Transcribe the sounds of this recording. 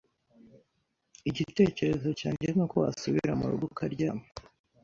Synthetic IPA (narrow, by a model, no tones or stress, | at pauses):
iɟite̞ːce̞ɾe̞zo̞caːɲɟenokoa̰suβiɾamṵɾṵɡukʰaɾɟaːme